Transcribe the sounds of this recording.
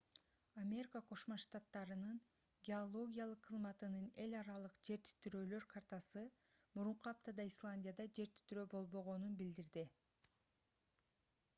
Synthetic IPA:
amʲe̞ɾʲikəqʰo̞ʃmoʃt̪at̪ːɑɾɯnɯn | ɡʲeolˠo̞ɡʲijalˠɯqʰːɯzmɑt̪ɯnɯne̞lʲɑɾɑlˠɯqd͡ʒe̞ɾt̪ʰy̥t̪yɾøːlø̞ɾkʰart̪asɯ | muɾuɴquɑp̚t̪ɑd̪ɑislˠanʲdʲijad̪ɑd͡ʒe̞ɾt̪y̥t̪yɾøːbo̞lˠβo̞ʁo̞nunbild̪iɾd̪i

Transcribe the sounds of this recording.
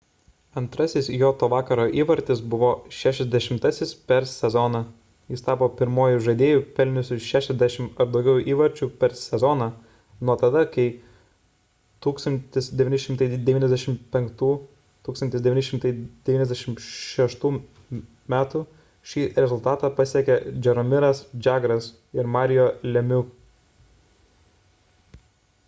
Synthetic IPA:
ɐnt̪ɾɐsʲɪsjoːt̪oːʋɑːkɐɾoːʔiːʋɐɾʲt̪ʲɪsbʊʋoːʃʲæːʃʲɛzʲd̪ʲɛʃʲɪmt̪ɐsʲɪspʲɛɾsʲɛzɔnɑ | jɪst̪ɑːpoːpʲɪɾmoɔjʊʒɐd̪ʲeːjuːpʲɛlʲnʲʊsʲʊʃʲæːʃʲɛzʲd̪ʲæʃʲɪmɐɾd̪ɒʊɡʲɛʊjʔiːʋɐɾʲt͡ʃʲuːpʲɛɾsʲɛzɔnɐ | nuɔt̪ɐd̪ɐkɐɪ | t̪uːkst̪ɐnʲt̪ʲɪsd̪ʲɛʋʲiːnʲɪʃʲɪmt̪ɐɪd̪ʲɛʋʲiːnɛzʲd̪ʲæʃʲɪmpʲɛŋkt̪uː | t̪uːkst̪ɐnt̪ʲɪsd̪ʲɛʋʲiːnʲɪʃʲɪmt̪ɐɪd̪ʲɛʋʲiːnɛzʲd̪ʲɛʃʲɪmʃʲɛʃt̪uː | mʲæːt̪u | ʃʲiːɾʲɛzʊlˠt̪ɑːt̪ɑːpɐsʲiɛkʲɛd͡ʒʲɛɾɔmʲɪɾɐsd͡ʒʲɑːɡɾɐs | ɪɾmɑːɾʲɪjoːlʲɛmʲʊ

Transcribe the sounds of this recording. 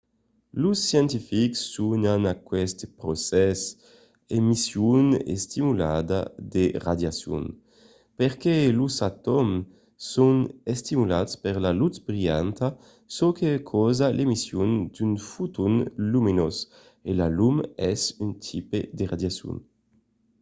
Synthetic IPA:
lusːjɛnt̪ifiksːunanakwɛst̪pɾosɛs | emisjunḛst̪imulad̪ad̪eʁad̪jasjṵn | peʁkelusat̪ɔm | sunest̪imulatspeʁlalut̪bɾiant̪a | sɔkʰekʰɔzalʔemisjund̪ynfut̪unluminɔs | elalumɛsynt̪ʰipḛd̪eʁad̪jasjṵn

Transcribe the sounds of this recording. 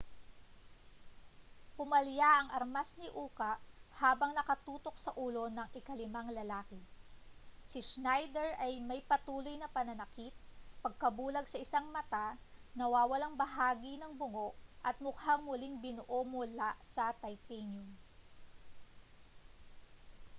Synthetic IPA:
pʊmɐljaʔɐŋʔɐɾmasnɪʔuːkɐʔhaːbɐŋnɐkɐt̪uːt̪o̞k̚sɐʔuːlo̞nɐŋʔɪkɐlɪmaŋlɐlaːkɪ | sɪʃnajd̪ɛɹʔɐjmɐjpɐt̪uːlo̞jnɐpɐnɐnɐkit̪̚pɐɡ̚kɐbuːlɐɡsɐʔɪsaŋmɐt̪anɐwaːwɐlaŋbɐɦaːɡinɐŋbʊŋo̞ʔʔɐt̪̚mʊkhaŋmʊliŋbɪnʊʔomʊlaʔsɐt̪ɐjt̪ɛnʊn

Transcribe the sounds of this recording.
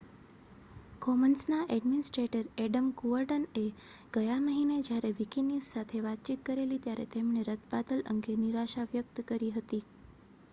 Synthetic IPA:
kɔmənsnaʔɛɖminɪsʈɾeʈəɾɛɖəmkuəɾɖəneɡ̥əjaməɦined͡ʒjaɾeʋikinissat̪ʰeʋat̪̚t͡ʃit̪̚kəɾelit̪jaɾḛt̪emneɾət̪̚ʰbad̪ələ̰ŋɡeniɾaʃaʋjək̚t̪kəɾiɦət̪i

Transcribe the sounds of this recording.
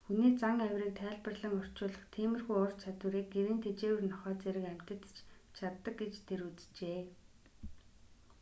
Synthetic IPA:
xuniːt͡saŋæwʲriːk̚t̪ʰæːɮpə̆rɮə̆ŋɔr̥t͡ɕʊːɮə̆χt̪ʰiːmɘ̆rɣujʊr̥t͡ɕʰat̪wɘ̆ɾiːk̚ɡeɾiːnt̪ʰet͡ɕeːwɘ̆rnɔχœːt͡seɾɘ̆kæm̥t̪ə̆t̪t͡ɕt͡ɕʰat̪ːə̆k̚ɡet͡ɕt̪ʰeɾut͡st͡ɕeː

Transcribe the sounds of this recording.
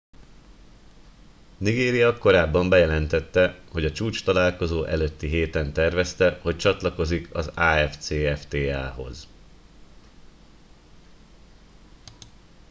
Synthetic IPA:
niɡeːɾijɒko̞ɾaːbːɒmbɛjɛlɛnt̪ɛt̪ːɛho̞ɟɒt͡ʃuːt͡ʃt̪ɒlaːlko̞zoːʔɛløt̪ːiɦeːt̪ɛnt̪ɛrvɛst̪ɛho̞c̚t͡ʃɒt̪lɒko̞zikʰɒ̰zaːɛft̪seːɛft̪eːaːɦo̞̰z

